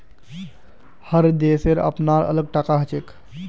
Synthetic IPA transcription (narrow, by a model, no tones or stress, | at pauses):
həɾd̪eseɾə̰pnaɾə̰ləɡ̚ʈakaɦət͡ʃek